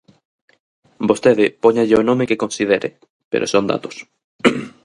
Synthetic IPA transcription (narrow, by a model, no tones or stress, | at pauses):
bost̪eðɪpoɲaʎɪonõmekekõnsiðeɾʔḛ | pḛɾo̰sond̪a̰t̪o̥s